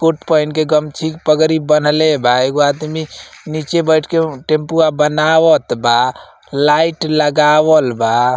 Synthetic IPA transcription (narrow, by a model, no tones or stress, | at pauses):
koʈpɔjnkeɡəmt͡ʃʰikpəɡɾibənlebʱaeɡoad̪minit͡ʃebəjʈʰkeʈempuabənawət̪ba | laiʈləɡawəlba